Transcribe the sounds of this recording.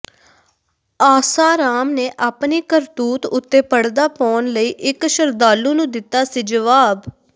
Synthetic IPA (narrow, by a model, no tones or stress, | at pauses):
aːsaːɾaːmneːʔaːpniːkəɾt̪uːt̪ʊt̪ːeːpəɽd̪aːpɔːnləiːʔɪkʃəɾd̪aːlũːnũːd̪ɪt̪ːaːsiːd͡ʒəʋaːb